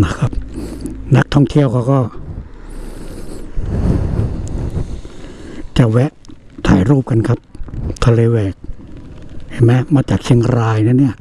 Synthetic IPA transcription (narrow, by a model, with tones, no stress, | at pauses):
na˦˥˩kʰa˦˥p̚na˦˥k̚t̪ʰɔ˥˩ŋt̪ʰi˥˨əwkʰa˧˩kɔː˥˩ | t͡ɕa˨˩wɛ˦˥ʔt̪ʰa̰ː˨˩˦jɾuː˥˩p̚ka˧nkʰa˦˥p̚t̪ʰa˧leː˧wɛː˨˩k̚ | hʰa˨˧˩ma˦˥maː˧˩t͡ɕaː˨˩k̚sʰi˧˥˩ŋɾaː˧jna˧˥˩ni˥˩ɐ